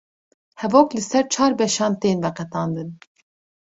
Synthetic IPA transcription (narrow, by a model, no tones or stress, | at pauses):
hɛvoːklɨsɛɾt͡ʃʰɑːɾbɛʃɑːnt̪eːnvɛqɛt̪ɑːnd̪ɨn